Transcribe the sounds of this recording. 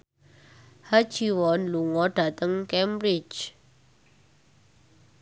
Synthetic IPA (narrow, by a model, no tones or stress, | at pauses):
hḁd͡ʒiwɔnluŋɔɖ̥a̤t̪əŋkɛmɾɪd͡ʒ